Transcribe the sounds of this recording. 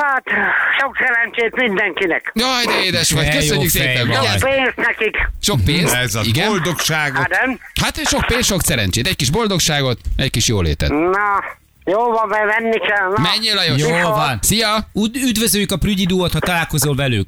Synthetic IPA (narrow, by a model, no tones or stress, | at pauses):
hat̪ʃoksɛɾɛnt͡ʃeːt̪mind̪ɛŋkinɛkɒjd̪ɛeːd̪ɛʃʋɒkøjsøɲːykseːpɛmɔapeːnst̪nɛkikʃok̚peːnsɛzibɡɛold̪okʃaːɡonɛmhat̪ʃo̞k̚peːnsʃo̞ksɛɾɛnt͡ʃeːt̪ɛc̚kiʒbo̞ld̪o̞kʃaːɡo̞t̪ɛckiʃjoːlḛːt̪ɛ̰t̪nɔ | joːvɒmbɛvɛnːikɛlnmɛɲːeːlɒjojvnsijɒyd̪vøzøjykɒpryɟid̪uːot̪hɒt̪ɒlaːlko̞zolvɛlyk